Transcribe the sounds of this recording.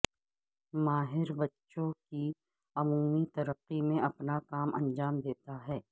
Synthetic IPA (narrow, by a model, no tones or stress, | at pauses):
maːɦɪɾbɐtːʃõki | ɐmuːmit̪ɐɾəqːimẽɐpnakaːmʔɐ̰̃nd͡ʒaːmd̪eːt̪aɦɛː